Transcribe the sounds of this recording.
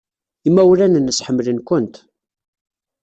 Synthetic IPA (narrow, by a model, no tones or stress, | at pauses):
imːæwlænənːəsħəmːlənkʷənt̪